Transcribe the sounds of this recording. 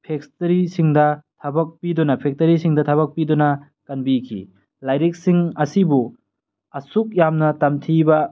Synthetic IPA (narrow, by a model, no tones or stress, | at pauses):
pʰekstɐɾisiŋdɐtʰɐbɐk̚pidunɐpʰek̚tɐɾisiŋdɐtʰɐβɐk̚pidunɐ | kɐnbikʰḭ | lajɾek̚siŋɐsibu | ɐsuk̚jamnɐtɐmtʰibɐ